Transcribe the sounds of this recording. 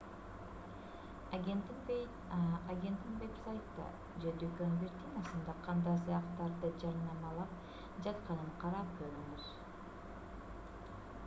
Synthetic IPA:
ɡʲent̪n | aɡʲe̞nt̪inbeksajt̪ːɑ̰ | d͡ʒed̪økønbʲeɾt̪ʲinɑsɯnd̪ɑqʰɑnd̪ɑjsɯjɑqt̪ɑɾd̪ɯd͡ʒɑɾnɑmɑlˠɑp̚ | d͡ʒɑt̪qɑnɯɴqʰɑɾɑp̚ɡøɾyŋyz̥

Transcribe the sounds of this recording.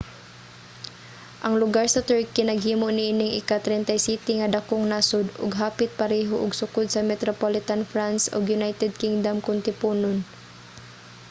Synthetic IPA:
ʔɐŋlʊɡaɹsɐt̪ɛɹkinɐɡɦiːmoʔnɪʔiːnɪŋʔɪ̰kat̪ɾɛnt̪ajsiːt̪ɪŋɐd̪ɐkoŋnaːsʊd̪ʊ̰ɡɦaːpɪt̪̚pɐɾɛːɦoʔʊɡsʊkʊd̪̚sɐmɛt̪ɾopolɪt̪anfɾansʔʊ̰ɡjʊnajt̪ɛd̪̚kɪŋd̪amkʊnt̪ɪpuːnon

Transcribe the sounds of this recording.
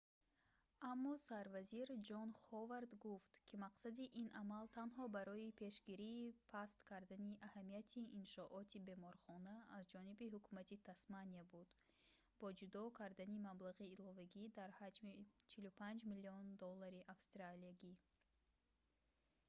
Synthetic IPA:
amːɔsaɾvaziɾd͡ʒɔnχɔvaɾd̪ɡuft̪kʰimaqsad̪iʔinʔamalt̪ʰanɦɔbaɾɔipʰe̞ʃɡiɾiːpʰast̪kʰaɾd̪aniʔahamijat̪ʰiinʃɔʔɔt̪ʰibe̞mɔɾχɔnaːzd͡ʒɔnibiɦukʰumat̪ʰit̪ʰasmaniabud̪ | b̥ɔd͡ʒud̪ɔkʰaɾd̪animablaʁiːlɔvaɡid̪aɾhad͡ʒmit͡ʃʰilupʰand͡ʒmiliɔnd̪ɔlːaɾiʔafst̪ɾaliaɡi

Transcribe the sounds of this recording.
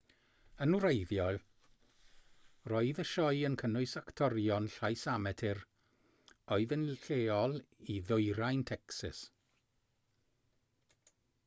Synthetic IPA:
ənwɾejðjɔl | rɔːɨðəʃɔjənkʰənʊɨsaktʰɔrjɔnɬajsamɛtʰɪr | ɔɨðənɬeːɔlˠiðʊɨɾajntʰɛksɪ̰s

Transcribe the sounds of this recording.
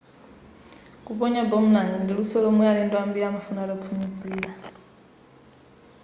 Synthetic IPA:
kʼuɓɔɲɔbom̩naŋɡandʱiɺusɔlomujalintʼɔambiɺamafunalɔpʰumiziːla

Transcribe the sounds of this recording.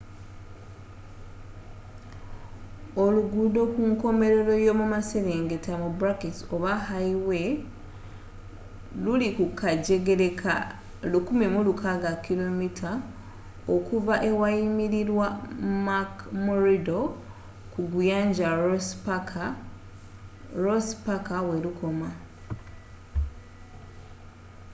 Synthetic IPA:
o̞luɡudo̞kuŋko̞me̞ɾe̞ɾo̞jomumase̞ɾe̞ːŋɡetʰamubuɾaketoβahaiwe̞ | lulikukaɟe̞ɡe̞ɾekʰa̰ | lukumimulukʰaɡakːilo̞mitʰa | okuvaʔe̞waimiɾiɾwamakmoɾido̞ | kuɡujaːɲɟap | ɾospakawelukʰo̞ma

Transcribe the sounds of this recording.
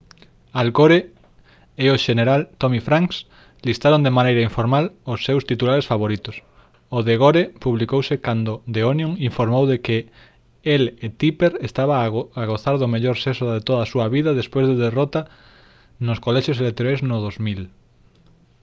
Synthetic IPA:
alkoɾe | eoʃeneɾalt̪omifɾaŋks | list̪aɾond̪emanejɾaiɱfoɾmalosːewst̪it̪ulaɾesfaβoɾit̪ʊs | oðeɣoɾepuβlikowsɪkand̪od̪eonjoŋiɱfoɾmowðekɪ | elet̪ipeɾest̪aβaaɣoθaɾðʊmeʎoɾsesoðet̪oðasuɐβiðɐðespojzðeðerot̪a | nʊskolɛʃjoselek̚t̪oɾajznʊð̞ozmil

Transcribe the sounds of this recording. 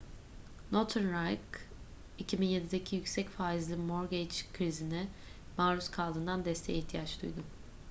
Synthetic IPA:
lˠot̪ʰunɾajk | icʰibinje̞d̪id̪ecʰijycsɛcfaːizlʲˠimoɾɡet͡ʃkʰɾizinɛ | maːɾuskʰalˠd̪ɯnd̪and̪ɛst̪ʰejiht̪ʰijat͡ʃd̪ṵjd̪ʊ

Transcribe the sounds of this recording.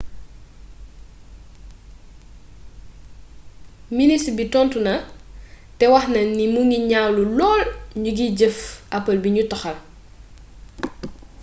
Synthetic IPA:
ministbitɔntunɐ | tɛwɐxnɐnimuŋɡiɲaːwlulɔːlɲuɡiɟəfʔɐpːɐlbiɲutɔxɐl

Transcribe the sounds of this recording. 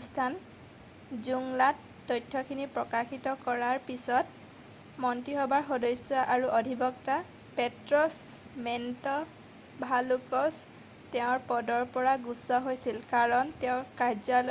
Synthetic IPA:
stʰan | zuŋlatːɔjtʰːɔkʰinipɹɔkaxitɔkɔɹaɹpisɔt̚ | mɔntiɦɔbaɹxɔdɔjsjɔʔaɹuʔɔdʱibɔkta | petɹɔsmɛntɔ | bʱalukɔs | tɛʊ̃ɹpɔdɔɹpɔɹaɡusɔɦojsilkaɹɔntɛʊ̃kaɹzɔl

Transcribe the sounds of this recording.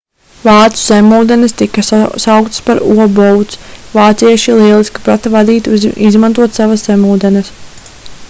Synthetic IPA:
vaːt̪su̥z̥ɛmuːd̪ɛnest̪ikɐsawkt̪spaɾuɔbɔwt̪svaːt̪siɛʃilˠiɛlˠiskḁpɾat̪avad̪iːt̪izmant̪uɔt̪savɐsz̥emuːd̪ɛnɛs

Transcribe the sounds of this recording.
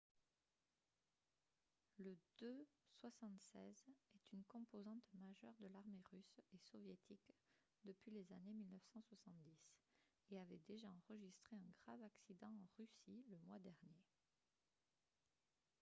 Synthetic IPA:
ləd̪̥øswasɑ̃t̪sɛ̰zɛt̪ynkɔ̃pozɑ̃t̪maʒœ̰ʁd̪əlaʁmeʁysesɔvjet̪ʰik | d̪əpɥilezanemilnəfsɑ̃swasɑ̃t̪̚d̪is | eavɛd̪eʒaɑ̃ʁəʒist̪χeɛ̃ɡʁavaksid̪ɑ̃ɑ̃ʁysiləmwad̪ɛʁnje

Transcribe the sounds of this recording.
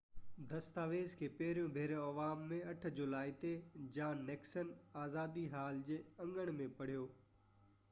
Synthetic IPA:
d̪ɐst̪aːʋeːzkʰeːpɛɦɪɾijõbʱeːɾjõɐʋaːmːẽɐʈ̆ʰd͡ʑʊlaːit̪ed͡ʑãːneːksənaːzaːd̪iɦaːld͡ʑeːɐ̃ŋɡəɽ̃mẽpɐɽ̤ijoː

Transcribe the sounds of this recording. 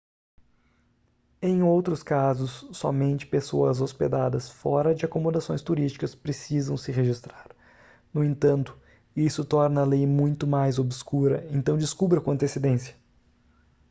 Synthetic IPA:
ẽj̃owt̪ɾʊskazʊsːɔ̰mẽnt͡ʃɪ̥pesoɐzospḛd̪ad̪ɐsfɔɾɐd͡ʒɪakomod̪asõj̃st̪uɾist͡ʃi̥kɐspɾesizɐ̃w̃sɪɦeʒist̪ɾaɾ | nʊẽnt̪ɐ̃nt̪ʊ̥ | isʊt̪ɔɾnɐːlejmũj̃t̪ʊmajzobskuɾɐẽnt̪ɐ̃w̃d͡ʒɪskubɾɐkõɐ̃nt̪esed̪ẽsjɐ̥

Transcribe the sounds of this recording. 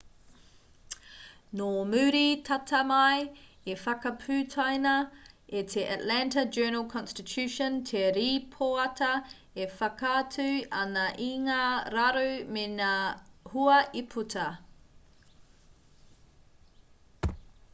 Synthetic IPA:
nomʉːɾitʰɐtʰɐmɐj | efɐkɐpʰʉːtʰɐjnɐetʰeʔa̰tlæntɐd͡ʒɜːnɐlˠkʰɔ̃nstɪtʰʉʃɔntʰeɾiːpʰoɐtʰɐ | efɐkɐːtʰʉɐnɐʔiŋaɾɐɾumenahuɐʔipʰutʰɐ

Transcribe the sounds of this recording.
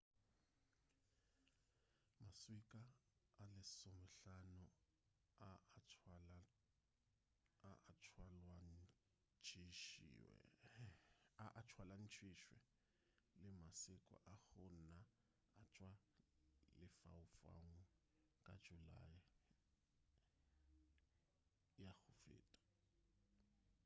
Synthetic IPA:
maswikʼaːlɪsɔmɛɬanʊ | aat͡ʃʰwalwa | t͡ʃʰʼi | aʔat͡ʃʰwalan̩t͡ʃʰwɪʃwɛ̰ | lɪmasɪkʼɔ̰ʔaɣʊna | at͡ʃʼwa | lɪfa̰ʊfa̰ŋʊ | kʼḁd͡ʒula̰ja | jaɣʊfḛːtʼḁ

